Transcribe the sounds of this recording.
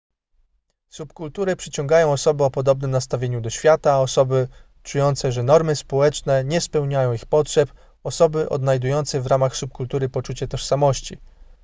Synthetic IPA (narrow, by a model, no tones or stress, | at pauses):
supkult̪uɾɘpʂɘt͡ɕɔ̃ŋɡajɔ̃w̃ɔsɔbɘɔpɔd̪ɔbnɘmnast̪avʲjeɲud̪ɔɕfʲjat̪aɔsɔbɘ | t͡ʂujɔnt̪sɛʐɛnɔɾmɘspɔwɛt͡ʂnɛɲɛspɛwɲajɔ̃w̃ixpɔtʂɛp | ɔsɔbɘʔɔ̰d̪najd̪ujɔnt̪sɛvɾamaxsup̚kult̪uɾɘpɔt͡ʂut͡ɕɛt̪ɔʂsamɔɕt͡ɕḭ